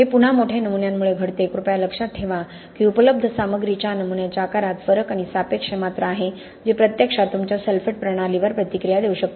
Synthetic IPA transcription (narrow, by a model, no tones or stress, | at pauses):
ɦepun̤amoʈʰenəmunjamːuɭeɡʱəɽt̪eekɾupjaləkʂat̪̚ʈʰeʋa | kiupələb̚d̪ʱəsaməɡɾit͡ɕanəmunjat͡ɕakaɾat̪fəɾəkaɽ̃isapekʂəmat̪ɾaːɦe | d͡zepɾət̪jəkʂat̪umt͡ɕjasəlfeʈ̚pɾəɽ̃aliʋəɾpɾət̪ikɾijad̪euɕək̚t̪